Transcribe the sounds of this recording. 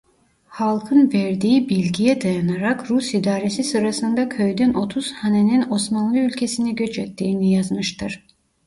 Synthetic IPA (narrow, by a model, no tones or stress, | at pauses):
halˠkʰɯnvɛɾd̪iːibilʲɟijɛd̪ajanaɾakɾusid̪aːɾesisɯɾasɯnd̪akʰøjd̪ynʔo̞t̪ʰuz̥hanenino̞smanlˠɯylʲcʰesiniɟøt͡ʃʰɛt̪ːiːnijazmɯʃt̪ʰɯɾ̥